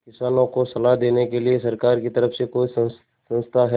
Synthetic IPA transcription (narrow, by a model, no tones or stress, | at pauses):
kɪsaːnõkosɐlaɦd̪eːnekeliesɐɾkaːɾkit̪ɐɾəfsekoːisɐ̃n | sɐ̃nst̪ʰaɦɛ